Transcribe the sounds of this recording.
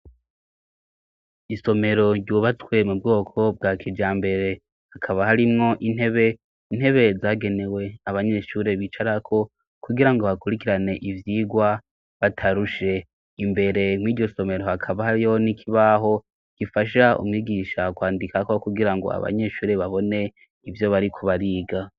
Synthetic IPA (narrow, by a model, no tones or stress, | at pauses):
iso̞me̞ɾo̞ɟɟuːβat͡swe̞mub̚ɡo̞ːkʰo̞b̚ɡaːkʰid͡ʒaːmbe̞ɾe̞ | hakʰaβahaɾimŋo̞ʔinhe̞βe̞ | in̥he̞βe̞zaːɡe̞ne̞we̞aβaɲe̞ʃuːɾe̞βit͡ʃaɾakʰo̞ | kuɡiɾaŋɡo̞βakuɾikiɾane̞ʔivjiːɡwa | βatʰaɾuʃe̞ | imbe̞ɾe̞mwiːɟo̞so̞me̞ɾo̞hakʰaβahaɾijo̞nikʰiβaɦo̞ | ɡ̥ifaʃaṵmŋiːɡiʃakwaːndikako̞kuɡiɾaŋɡo̰a̰βa̰ɲe̞ʃuːɾe̞βaβo̞ne̞ | ivjo̞βaɾikʰo̞βaɾiːɡa